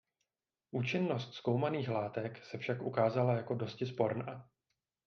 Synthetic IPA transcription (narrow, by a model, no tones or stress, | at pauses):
ʔuːt͡ʃɪnːo̞st̪sko̞wmaniːxlaːt̪ɛksɛfʃakʔukaːzalajako̞do̞scɪspo̞ɾna